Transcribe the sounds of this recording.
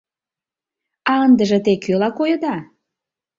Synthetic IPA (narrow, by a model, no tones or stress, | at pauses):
ɑənd̪əʒĕt̪ekʰølɑkojə̆d̪ɑ